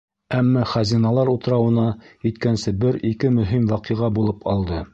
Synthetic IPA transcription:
æmːæχæzinɑlˠɑɾut̪̆ɾɑwɤ̆nɑit̪kænsɘbɘɾikɘmɵ̆ɦimwɑqɤ̆ʁɑbulˠɤpʰɑlˠd̪ɤ

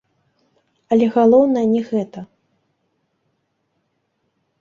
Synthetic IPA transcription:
ɐlʲɛɣalˠɔwnɐjɐnʲɛɣɛt̪ɐ

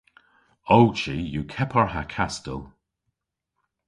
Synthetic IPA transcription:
owt͡ʃijukʰɛpʰəɹɦakʰastə̰lˠ

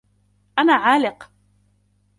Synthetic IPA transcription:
ʔanaːʕaːlɪq

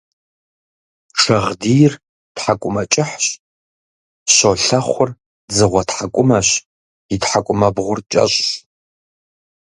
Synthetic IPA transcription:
ʂɐʁdijr | tħakʷʼʊmɐt͡ʃʼɪħɕ | ɕoɬɐχʷʊr | d͡zɨʁʷɐtħakʷʼʊmɐɕ | itħakʷʼʊmɐbʁʷʊrt͡ʃʼɐ̰ɕʼɕ

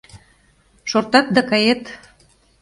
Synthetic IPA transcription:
ʃort̪ɑt̪̚d̪ɑkɑjet̪

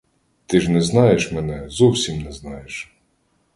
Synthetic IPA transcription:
t̪ɪʒnɛznɑjeʃmɛnɛzuwsʲimnɛznɑjeʃ

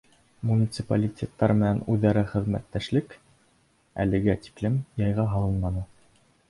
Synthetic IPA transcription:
munʲit̪sɨpalʲitʲet̪ːɑɾmɘ̆nænʉðːæɾɘχɘ̆ðmæ̰t̪ːæʃlɘk | æ̰lɘ̆ɡæt̪i̥klɘmjɑjʁɑɦɑlˠɤnmɑnɤ

